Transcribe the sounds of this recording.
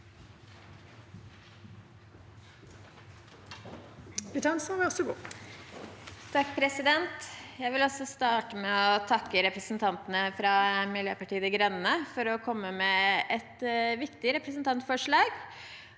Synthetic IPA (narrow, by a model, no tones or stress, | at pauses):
bɪt̪ʰɑnsɑʋɔsɔɡṵː | t̪ʰɑkpʰɾɛsɪd̪ɛnt̪jæɪʋɪlɔsɔst̪ɑːʈəmɛɔɔt̪ʰɑkːəɾɛpɾəsnt̪ʰɑnt̪ənəfɾɑːmɪljø̰ːpɑʈiːəd̪ɪɡɾœnnəfɔɾɔkʰɔmːəmɛɛt̪ʋɪkt̪ɪɾɛpɾəsnt̪ʰɑnt̪fɔʂɭɑːɡ